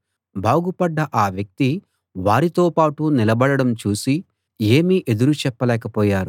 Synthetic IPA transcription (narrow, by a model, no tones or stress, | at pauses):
baːɡupɐɖːɐʔaːʋjɐk̚t̪i | ʋaːɾit̪o̞ːpaːʈunilɐbɐɽɐɽɐmt͡ʃuːsi | e̞ːmiʔe̞d̪uɾut͡ʃɛpːɐlɛːkɐpɔːjaːɾu